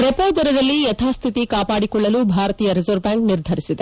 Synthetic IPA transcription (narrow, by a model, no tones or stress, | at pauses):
pɾepoːd̪ɐɾɐd̪ɐlːijɛt̪ʰaːst̪ʰit̪ikaːpaːɽikɔɭːɐluːbʱaːɾɐt̪iːjɐɾezoɾbjaːŋkniɾd̪ʱɐɾisid̪e